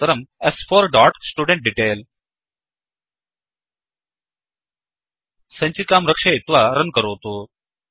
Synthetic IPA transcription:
əɾəmɛsfoɾɖɔːʈsʈuːɖẽɳʈ̚ɖiʈeːl | sɐ̃ɲt͡ɕikaːmɾəkʂaɪt̪ʋaɾənkəɾoːt̪oː

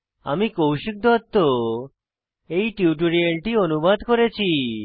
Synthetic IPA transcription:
a̰mikowʃik̚d̪ɔt̪ːo | eiʈiʈuɾieɳʈionubad̪kɔɾet͡ʃʰi

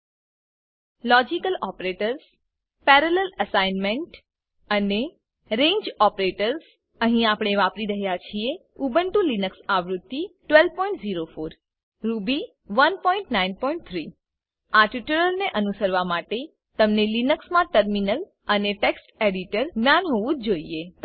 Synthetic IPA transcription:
lɔd͡ʒikəlɔpɾeʈəɾs | pɛɾəleləsainmẽɳʈ | əne | ɾẽɲd͡ʒɔpɾeʈəɾs | əɦĩapɳ̃eʋapɾiɾəɦjat͡ʃʰie | ubəɳʈũlinəksaʋɾud̪ːiʈʋɛlpɔ̃iɳʈziɾofoɾ | ɾubi | ʋənpɔ̃ĩɳʈnainpɔiɳʈ̚t̪ʰɾi | aʈiʈuɾəlneʔənusəɾʋamaʈe | t̪əmnelinəksmãʈəɾminəl | əneʈeksʈeɽiʈəɾmjanɦoʋũd͡ʒoie

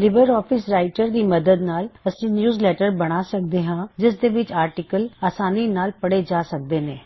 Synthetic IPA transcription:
lɪbəɾɔːpʰɪsɾaːɪʈəɾd̪iːməd̪əd̪naːləsĩːnjuːzlɛːʈəɾbəɽ̃aːsək̚d̪eːɦãːd͡ʒɪsd̪eːʋɪt͡ʃaːɾʈɪkəlaːsaːniːnaːlpəɽed͡ʒaːsək̚d̪eːnẽː

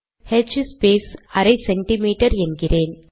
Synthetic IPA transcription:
hɛd͡ʒspeːsɐɾɐɪsɛɳʈɪmiːʈɐɾɛnɡɪreːn

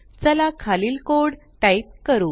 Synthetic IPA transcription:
t͡səlakʰaliːlkoɽ | ʈajt̚kəɾuː

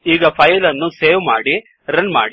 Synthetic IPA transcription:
iːɡɐpʰɐjɐlɐnːuseːʋmaːɽi | ɾɐnma̰ːɽi

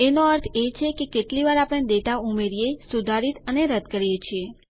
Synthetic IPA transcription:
enoəɾt̪ʰet͡ʃʰekekeʈliʋaɾapəɽ̃ed̪eʈaumeɾjesud̪ʱaɾit̪əneɾəd̪ʱkəɾijet͡ʃʰie

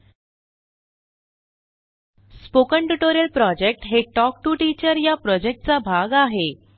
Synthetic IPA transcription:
spokəɳʈuʈoɾijəlpɾɔd͡ʑek̚ʈɦeʈɔk̚ʈuːʈit͡ɕəɾjapɾɔd͡ʑek̚ʈ̚t͡sabʱaɡaɦe

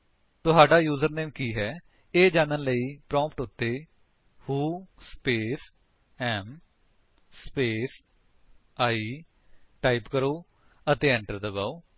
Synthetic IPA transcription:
t̪ʊɦaːɖaːjuːzəɾneːmkiːɦɛː | eːd͡ʒãːnənləiːpɾɔ̃ːmpʈʊt̪ːeː | huːspeːs | ɛːm | speːs | aːiː | ʈaːipkəɾoː | ət̪eːɛ̃ːɳʈəɾd̪əɡaːoː

